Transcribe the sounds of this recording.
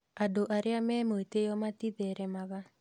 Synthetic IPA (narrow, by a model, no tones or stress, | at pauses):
adoʔaɾeamɛmoetejɔmatiðɛɾɛmaɣa